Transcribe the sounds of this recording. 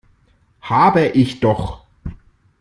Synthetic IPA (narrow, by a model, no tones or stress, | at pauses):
haːbəʔɪçd̥ɔχ